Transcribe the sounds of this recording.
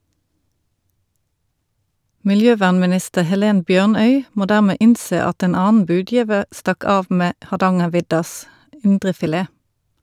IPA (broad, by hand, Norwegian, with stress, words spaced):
mɪlˈjøːˌʋæːʁnmɪˌnɪstəʁ hɛˈleːn ˈbjøːʁˌnœʏ ˈmoː ˈdæːʁmeː ˈʔɪnˌseː ˈɑt ˈeːn ˈɑːnn̩ ˈbʉːˌdjiːʋəʁ ˈstɑk ˈɑːʋ ˈmeː hɑʁˈdɑŋəʁˌʋɪdɑs ˈɪndʁəfɪˌleː